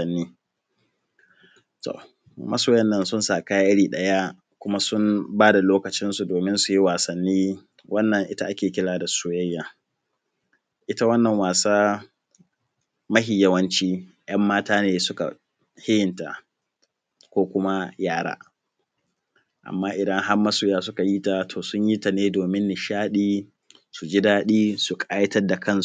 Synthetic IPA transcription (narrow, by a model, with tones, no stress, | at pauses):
ɐ˦nːiː˦ | to̰˨ | mʔɐ˦soː˨jɐ˦nːɐ˦nsʊ˦nsaː˨kaː˦ja˦ʔɪ˦ɽiː˨ɗɐ˦ja˦ | kʷʊ˦ma˦sʊ˦mbaː˦da˨loː˦kɐ˨t͡ʃɪ˦nsu˨doː˨mɪ˦nsu˨ji˦waː˨sɐ˨nːiː˦ | wɐ˦nːɐ˨ŋʔɪ˦ta˦ʔa˦kʲeː˨kʲɪ˦laː˨da˨sʊ˦jɐ˦jːaː˨ | ʔɪ˦ta˦wɐ˦nːɐ˨ŋwaː˨saː˦ | mɐ˦ɦɪ˨jːɐ˦wɐ˦nt͡ʃiː˦ | j̰ɐ˦mːaː˦taː˦neː˨sʊ˦ka̰˨ | hɪ˦jɪ˨nta̰˨ | kʷoː˦kʷʊ˦ma˦jaː˦ɽa̰ː˦ | ʔa̰˨mːaː˦ʔɪ˨dɐ˦ŋɦa˦rmɐ˦suː˨jaː˦sʊ˦ka˨jiː˦ta˨tʰoː˨sʊ˦ɲji˦ta˨neː˦doː˨mɪ˦nːɪ˨ʃaː˦ɗiː˦ | su˨d͡ʒi˦daː˦ɗiː˦su˨kʼaː˦jɐ˦tɐ˦rda˨kɐ˦˨ns